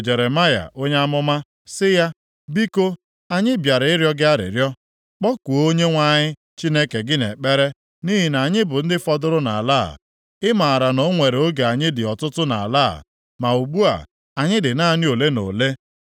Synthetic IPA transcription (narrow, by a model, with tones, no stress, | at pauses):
d͡ʒe˨ɾe˨ma˦ja̰˨ʔo˦ɲe˦a˦mʊ˦ma˦ | sɪ˦ja˦ | bi˦ko˦ | a˦ɲɪ˦bja˨ɾɪ˦ɾjɔ˦ɡɪ˦a˦ɾɪ̰˨ɾjɔ˦ | k͡pɔ˦ku˨˦o˦ɲe˦ŋʷa˦ɲɪ˦ | t͡ʃi˦ne˦ke˨ɡɪ˦nḛ˨k͡pe˦ɾe˦ | ni˦ɦi˦na˨ɲɪ˦bʊ˨n̩˦dɪ˦fɔ˦dʊ˦ɾʊ˦na̰˨la̰˦˨ | ɪ˦ma˨a˨ɾa˨no˦ŋʷe˨ɾe˨o˦ɡe˨a˨ɲɪ˦dɪ˨ɔ˨tʊ˦tʊ˦na̰˨a̰˨la̰˦˨ | ma˨u˨ɡ͡bu˦a̰˨ | a˨ɲɪ˦dɪ˨na˦nɪ˦o˨le˦no̰˨le˦